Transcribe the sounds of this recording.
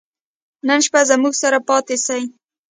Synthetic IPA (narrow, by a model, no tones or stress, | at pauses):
nənʃpazamuɡsaɾapɑt̪esaj